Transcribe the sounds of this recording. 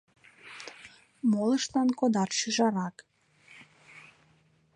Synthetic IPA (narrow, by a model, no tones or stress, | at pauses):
moləʃlɑnkod̪ɑrʃyʒɑɾɑk